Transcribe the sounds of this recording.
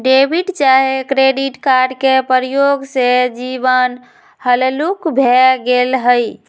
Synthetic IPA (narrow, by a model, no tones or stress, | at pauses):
ɖebʱiɖt͡ʃaɦekɾeɖiʈkaɾɖkepəɾijoɡsed͡ʒibən | həlelukbʱeɡelɦəj